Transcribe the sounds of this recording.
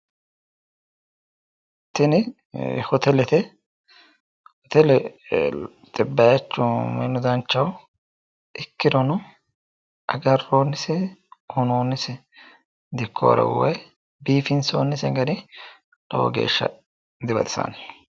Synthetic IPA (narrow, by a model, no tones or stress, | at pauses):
t̪ɪnɪ | hɔt̪ɛlɛt̪ɛ | hɔt̪ɛlɛ | t̪ʼɪbːɐjɐt͡ʃːʊmɛ̰nːʊd̪ɐnt͡ʃːɐw | ʔɪkːɪd̪ɔnʊ | ʔɐɡɐroːnːɪsɛhʊnoːnːɪsɛ | d̪ɪkʰːo̰ːɾɐ̰wɛ̰j | biːfɪnso̰ːnːɪsɛɡɐdɪ | lɔwɔ̰ɡḛːʃːɐ̰ | d̪ɪbɐ̰d̪ɪsɐ̰n